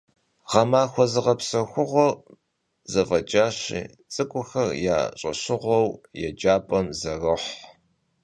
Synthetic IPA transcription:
ʁɐmaːxʷɔzɨʁɐpsɐxʷʊʁʷɔr | zɐvɐd͡ʒʼaːɕḭː | t͡sʼɨkʷʼʊxɐrja̰ːɕʼɐ̰ɕɪʁʷɔwjɛ̰d͡ʒaːpʼɐmzɐrɨħ

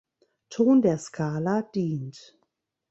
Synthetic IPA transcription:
tʰoːndeːɐskʰaːlad̥iːnt

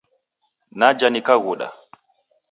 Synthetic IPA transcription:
nad͡ʒanikaɣuɗa̰

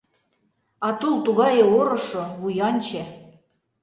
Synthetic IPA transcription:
ɑt̪ulˠt̪uɣɑjɤ̆oɾɤ̆ʃoβujɑnʲt͡ɕĕ

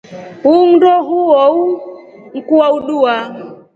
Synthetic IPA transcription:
uŋ̩dɔɦuɔu | ŋ̩kuwauɗua

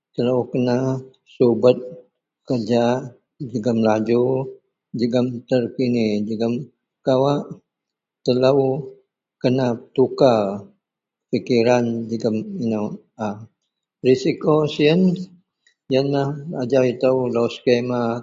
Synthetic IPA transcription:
t̪ələwkəna | subət̪̚ | kərd͡ʒa | d͡ʒəɡəmlad͡ʒu | d͡ʒəɡəmt̪ərkinid͡ʒəɡəm | kawaʔ | t̪ələw | kənat̪uka | fikiɾand͡ʒəɡəminə | a | risikosiən | jənlahad͡ʒawit̪əwlowskema

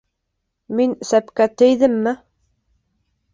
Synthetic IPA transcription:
minsæpkæt̪ɘ̆jðɘmːɘ

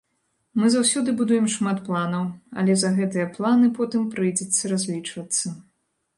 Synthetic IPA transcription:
mɨzawsʲɔd̪ɨbud̪ujɛmʂmat̪plˠanɐwɐ̰lʲɛzɐɣɛt̪ɨjɐplˠanɨpɔt̪ɨmpɾɨjd͡zʲɛt̪sːɐɾazʲlʲit͡ʂvɐt̪sːɐ

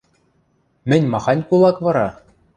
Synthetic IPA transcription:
mʲɘ̆nʲmɑχɑnʲkulˠɑkʋɑɾɑ

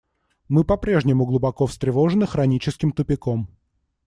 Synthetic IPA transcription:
mɨpɐpɾʲe̞ʐnʲɪmʊɡlˠʊbɐkofst̪ɾʲɪvoʐɨnɨxɾɐnʲit͡ɕɪskʲɪmt̪ʊpʲɪkom

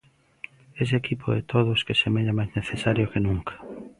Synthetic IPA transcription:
es̬ekipʰoɛt̪ʰoðʊskesemeʎamajzneθesaɾjokenũŋkʰḁ

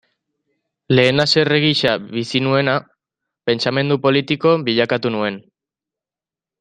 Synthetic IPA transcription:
le̞ːnase̞reɣiʃaβisinue̞na | pe̞nt͡ʃame̞nd̪upo̞lit̪iko̞biʎakat̪unue̞n

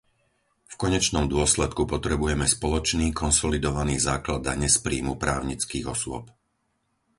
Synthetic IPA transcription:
fkɔɲɛt͡ʃnɔmd̪ʊɔslɛt̪kupɔt̪ɾɛbujɛmɛspɔlɔt͡ʃniːkʰɔnsɔlid̪ɔʋaniːzaːklad̪ːaɲɛspɾiːmupɾaːʊɲit͡skiːɣɔsʊɔp̚

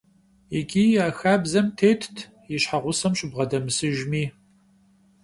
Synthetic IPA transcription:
ɪɡʲiːjaːxaːbzɐmtʰeːtʰtʰ | jɪɕħaʁʷʊsɐmɕɪbʁɐdɐmɨsɨʒmiː

